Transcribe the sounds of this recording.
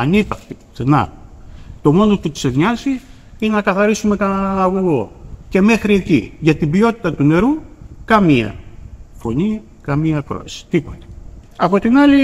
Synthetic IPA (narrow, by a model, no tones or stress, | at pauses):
ɐnipɐxt̪isenɐ̰ | t̪o̞mo̞not̪ut̪i̥sevɲɐzi | inenɐkɐθɐɾisume̞kɐnɐnɐnɐɣuɣoce̞me̞xɾie̞cḭʝɐt̪ibio̞t̪it̪ɐt̪une̞ɾukɐmiɐ̰fo̞ni | kɐmiɐkɾo̞̰ɐsi̥t̪ipot̪e̥ | ɐpo̞t̪inɐli